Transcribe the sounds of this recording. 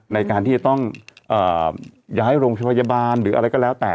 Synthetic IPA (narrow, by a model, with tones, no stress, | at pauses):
na˧jkaː˧nt̪ʰiː˥˩t͡ɕa˨˩t̪ɔ˥˩ŋʔɤː˨˩jaː˦˥jɾoː˧ŋt͡ɕʰa˧pʰa˧ja˧baː˧nɾɯː˩˦ʔɾa˧jkɔ˥˩lɛː˦˥wt̪ɛː˨˩